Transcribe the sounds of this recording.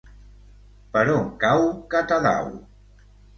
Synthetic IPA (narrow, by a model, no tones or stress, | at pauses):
pəɾoŋkawkat̪aða̰w